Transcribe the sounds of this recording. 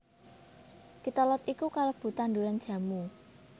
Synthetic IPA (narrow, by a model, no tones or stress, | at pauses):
kit̪alɔt̪ikukalob̥ṳt̪and̪uɾan̥ʒ̥ä̤mu